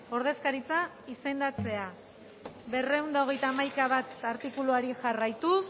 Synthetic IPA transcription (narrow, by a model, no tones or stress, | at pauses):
o̞ɾð̞e̞skaɾit͡sa | ise̞nd̪at͡se̞a | βe̞re̞und̪aoɣ̞e̞jt̪aːmajkaβat̪aɾt̪ikuluaɾiʝarajt̪us